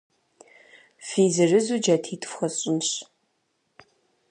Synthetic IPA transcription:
fiːzɨrɨzuːd͡ʒaːtʰiːtʰʼfxɐɕʼɪmɕ

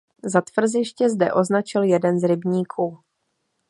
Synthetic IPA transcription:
zat̪vr̩zɪʃcɛzdɛ̰ʔo̞znat͡ʃɪljɛdɛnzɾɪbɲiːkʰuː

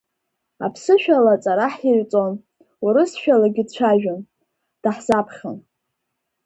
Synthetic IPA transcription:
a̰pʰsɨʃᶣalat͡sʼaɾaħirt͡sʼon | uɾɨsʃᶣalaɡʲɪdt͡ʃʷʰaʒᶣan | d̥aħz̥apʰχʲan

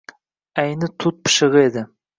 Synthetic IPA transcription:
æjnɪt̪ʰʊt̪̚pʰɨ̥ʃɨʁed̪ɪ

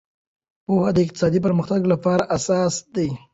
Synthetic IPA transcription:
pohad̪əɪq̚t̪ɪ̥sɑd̪ip̬əɾməxt̪aɡlapɑɾaʔasɑsd̪aj

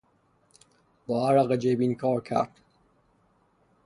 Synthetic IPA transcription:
bɒæɾæɣed͡ʒebinkʰɒːɾkʰæ̰ɾd̪̥

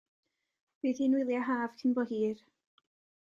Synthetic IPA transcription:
b̥iːðhiːnwɪlˠjaɦaːv̥kʰɪnbɔhiːr

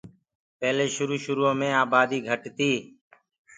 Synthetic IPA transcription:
pɛːleːʃʊɾuːʃʊɾuːõːmẽːaːbaːd̪iːɡʱəʈt̪iː

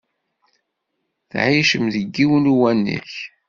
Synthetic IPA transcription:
θʕiʃəmðəɡːiwənuwænːə̰ç

